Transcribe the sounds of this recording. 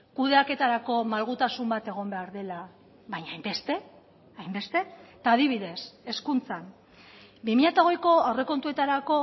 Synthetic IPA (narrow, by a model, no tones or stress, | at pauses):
kuð̞e̞ake̞t̪aɾako̞malɣ̞ut̪asumbat̪e̞ɣ̞o̞mbe̞aɾðe̞la | βaɲaajmbe̞st̪e̞ | ajmbe̞st̪e̞t̪aːð̞iβ̞iðe̞se̞skunt͡san | bimiʎat̪aoɣe̞jko̞awre̞ko̞nt̪ue̞t̪aɾako̞